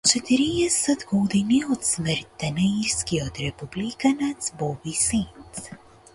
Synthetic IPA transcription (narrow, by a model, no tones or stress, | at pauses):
t͡ʃɛt̪iɾijɛsɛd̪ɡɔd̪iniɔt̪sməɾt̪ːanaiɾskiɔt̪ɾɛpublikanat̪sbɔbisintt̪s